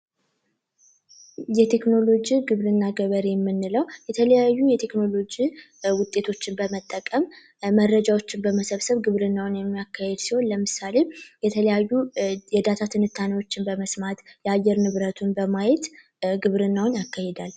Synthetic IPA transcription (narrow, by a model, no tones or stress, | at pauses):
jɛt̪ʰe̞kno̞lo̞d͡ʒiɡɨβɾɨnːaɡəβəɾijɛmːɨnːɨləwjɛt̪ʰələjajːujɛt̪ʰe̞kno̞lo̞d͡ʒi | wʊt̪ʼːe̞t̪ʰo̞t͡ʃːɪnbəmət̪ʼːəkʼəmː | ərːəd͡ʒawot͡ʃːɪnbəməsəβsəβɡɨβɾɨnːawʊnjɛmːijakːahɛd̪siho̞nləmɨsale̞jɛt̪ʰələjajːujɛd̪at̪ʰat̪ʰɨnɨt̪ʰːaniwo̞t͡ʃːɪnbəməsmat̪jɛajːɛɾnɨβɾət̪ʰunbəmajɛt̪ | ɡɨβɾɨnːawʊnjakːahed̪al